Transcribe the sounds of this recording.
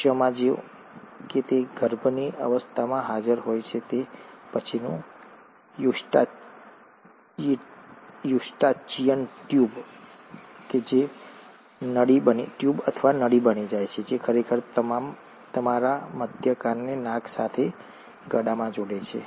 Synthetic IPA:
ʃjəmãd͡ʒe | ket̪eɡʱəɾbniə̰ʋəst̪ʰamãɦad͡ʒəɾɦojt͡ʃʰet̪epət͡ʃʰinṵ̃ | juʈa | juʃʈat͡ʃiənʈjub | ked͡ʒe | nəɽibəniʈjubə̰t̪ʰəʋanəɽibənid͡ʒajt͡ʃʰed͡ʒekʰəɾekʰəɾt̪əmam | t̪əmaɾaməd̪ʱjəkanːenãksat̪ʰe | ɡəɽamãd͡ʒoɽet͡ʃʰḛ

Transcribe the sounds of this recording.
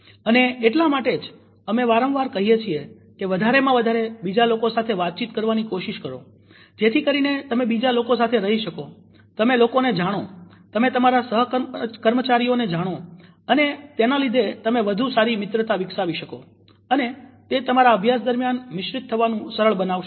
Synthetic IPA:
əneːʈlamaʈed͡ʒ | əmeʋaɾə̃ʋʋaɾkəɦijet͡ʃʰie | keʋəd̪ʱaɾemãʋəd̪ʱaɾebid͡ʒalokosat̪ʰeʋat̪̚t͡ʃit̪kəɾʋanikoʃiʃkəɾo̰ | d͡ʒet̪ʰikəɾinet̪əmẽbid͡ʒalokosat̪ʰeɾəɦiʃəko | t̪əmelokoned͡ʒaɽ̃ot̪əmet̪əmaɾasəɦkəɾmət͡ʃaɾijoned͡ʒaɽ̃o | ənet̪enalid̪ʱet̪əmẽʋəd̪ʱusaɾimɪt̪ɾət̪aʋɪksaʋiʃəko | ənet̪et̪əmaɾaəbʱjas̬d̪əɾmjanmɪʃɾɪt̪ʰːəʋanũsəɾəɭbənaʋʃ

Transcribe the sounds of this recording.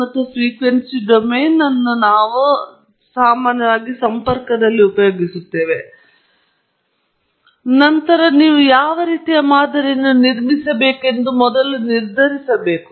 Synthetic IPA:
ɐt̪ːɐsʋiːkʋensiɖomeːnːɐnːunaːʋu | saːmaːnjɐʋaːɡisɐmpɐɾkɐd̪ɐlːiupɐjoːɡisut̪ːeːʋe | nɐnt̪ɐɾɐniːʋujaːʋɐɾiːt̪ijɐmaːd̪ɐɾinːuniɾmisɐbeːke̞nd̪umɔd̪ɐluniɾd̪ʱɐɾisɐbe̞ːku̥

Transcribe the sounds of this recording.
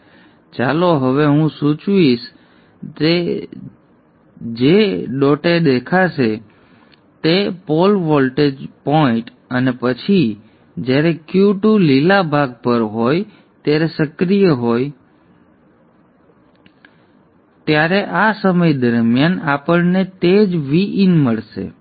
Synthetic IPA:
t͡ʃaloɦəʋeɦũsut͡ʃʋiʃ | e | d͡ʒeɖoʈed̪ekʰaʃe | t̪epolʋɔlʈed͡ʒpoɪ̃ʈ | ənepət͡ʃʰi | d͡ʒjaɾekjuʈulilabʱaɡ̚pəɾɦoj | t̪jaɾesəkɾijəɦoj | t̪jaɾeʔasəməjd̪əɾmjanapəɭnet̪ed͡ʒʋiʔinməɭʃḛ

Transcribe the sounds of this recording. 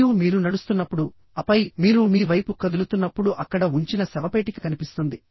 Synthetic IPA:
umiːɾunɐɽust̪unːɐpːuɽu | ɐpɐjmiːɾumiːʋɐjpukɐd̪ulut̪unːɐpːuɽuʔɐkːɐɽɐuɲt͡ʃinɐsɛʋɐpeːʈiki̥kɐnipist̪und̪i

